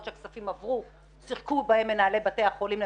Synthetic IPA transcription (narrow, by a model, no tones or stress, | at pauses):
tʃeaksafimavʁu | siχkubahe̞mːenaːle̞bateaχolimle